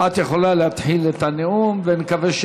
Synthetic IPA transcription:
at̪jeχo̞laleat̪ħilet̪aneumvenekaveʃ

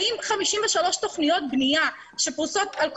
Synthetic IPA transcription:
ʔiːmxamiʃiːnveʃaloːʃt̪oxnijoːt̪̚bnija | ʃebusoːt̪ʔalk

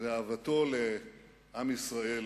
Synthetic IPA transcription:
eaːvat̪o̞le | ʔamisʁae̞l

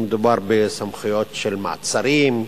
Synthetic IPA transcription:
med̪ubaʁbesamχujot̪ʃelma̰t͡saɾim

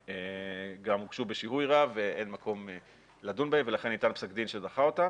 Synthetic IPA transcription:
eɡamuɡʃubeʃihujʁaveʔenmako̞me | ladunbaemve̞laχe̞nːit̪anpsakd̪inʃedaχao̞ta

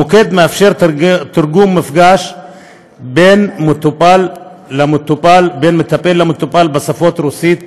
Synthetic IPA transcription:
oked̪meafʃe̞ʁt̪iɾɡumːifɡaʃ | benmot̪upalː | amt̪upalbenmet̪apelːamot̪upalbesafo̞t̪ɾusit̪

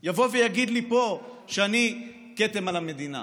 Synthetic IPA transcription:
javo̞vejaɡid̪lipo̞ | ʃeani | ketemalame̞d̪ina̰

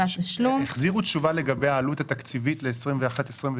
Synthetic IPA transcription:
aʃlumeχziʁut̪ʃuvale̞ɡabejaːlut̪hat̪akt͡sivitle̞ːsʁimveaχat̪esʁimv

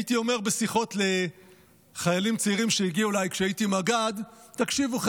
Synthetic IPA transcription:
it̪io̞me̞ʁbe̞siχo̞tle̞ | χajalimt͡seiʁimʃeiɡiulajkʃeait̪imaɡad̪takʃivuχ

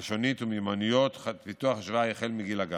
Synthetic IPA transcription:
ʃonit̪umimanijot̪χpit̪uaχaʃvajeχelmiɡilaɡa

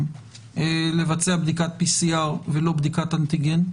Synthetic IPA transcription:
m | ele̞vat͡se̞abd̪ikat̪̚pisiaʁvelo̞bd̪ikat̪ant̪iɡen

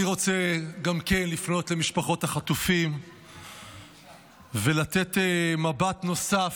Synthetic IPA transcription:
iʁo̞t͡seɡamke̞nlifno̞t̪le̞miʃpaχo̞taχat̪ufim | ve̞lat̪e̞t̪emabatno̞saf

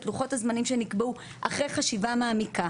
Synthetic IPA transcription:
tluχo̞thazmanimʃe̞nikbeu | ʔaχʁejχaʃivamaːmika

